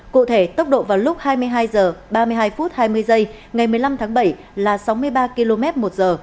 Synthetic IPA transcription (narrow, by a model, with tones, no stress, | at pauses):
kṵ˧˨t̪ʰe˧˩t̪ə˦˥wk͡p̚ɗo̰˧˨vaː˨˩wlʊ˦˥k͡p̚haː˧jmɨ˧əjɦaː˧jzəː˨˩ɓaː˧mɨ˧əjɦaː˧jfu˦˥t̚haː˧jmɨ˧əjzə˧j | ŋa˨˩jmɨ˨˩əjla˧mt̪ʰaː˨˦ŋɓə˧˩j | laː˨˩sa˨˦wmɨ˧əjɓaː˧ki˧lo˧mɛ˦˥t̚mo˨˩t̚zəː˨˩